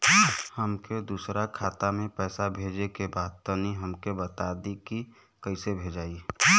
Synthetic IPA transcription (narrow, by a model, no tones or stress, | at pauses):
həmked̪uːsɾakʰaːt̪amẽpɛːsabʱeːd͡ʒekebaːd̪̚t̪əniɦəmkebət̪ad̪iki | kəisebʱed͡ʒaːi